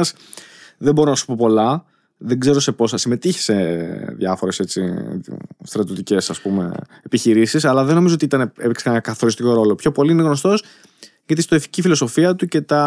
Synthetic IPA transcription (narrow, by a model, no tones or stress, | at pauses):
s | ðebo̞ɾonɐsu̥po̞po̞lɐ | ðeɡze̞ɾo̞se̞po̞sɐsime̞t̪içe̥seðʝɐfoɾe̞se̞t͡sḭ | st̪ɾɐt̪iot̪ice̞sɐspume̞̰ | epiçiɾisisɐlɐðeno̞mizoot̪it̪ɐneepiksenɐkɐθo̞ɾist̪iko̞ɾo̞lo̞pço̞po̞liine̞ɣno̞st̪o̞s | ʝɐt̪ist̪oifi̥cifilo̞so̞fiɐt̪uce̞t̪ɐ